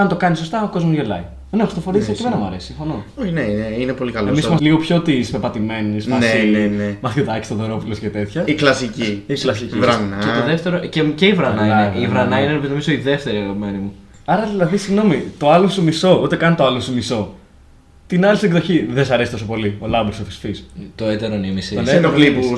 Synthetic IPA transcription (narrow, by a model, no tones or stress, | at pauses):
ɐnt̪o̞kɐniso̞st̪ɐɐko̞zmuʝelɐ̰i | enexɾist̪ofoɾisɐkimenɐmuɐ̰ɾesi̥siɱfonooçneneinepo̞likɐloemisimɐsliɣopço̞t̪ispepɐt̪ime̞nismɐnseienemɐxiðɐki̥st̪ɐðoɾo̞fuloscet̪e̞t̪çɐiklɐsiciiklɐsicivɾɐnɐeoðeft̪eɾoceceivɾɐnɐeivɾɐnɐinenopit̪omisoiðeft̪e̞ɾiɐɣɐpime̞nimu | ɐɾɐðilɐðisiɣno̞mit̪o̞ɐlosumiso̞ut̪e̞kɐnt̪oɐlosumiso̞ | t̪inɐliseɡðoçiðesɐɾe̞sit̪o̞sopo̞lio̞lɐmbɾsofi̥sfist̪oet̪eɾonemisioenolipu